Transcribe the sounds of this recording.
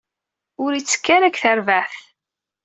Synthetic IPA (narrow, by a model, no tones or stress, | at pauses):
ʊɾit͡sːə̥kːaɾækθəɾvæθ